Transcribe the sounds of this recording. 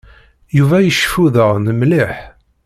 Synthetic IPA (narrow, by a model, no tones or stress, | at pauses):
juvæjəʃfuðəʁnəmliħ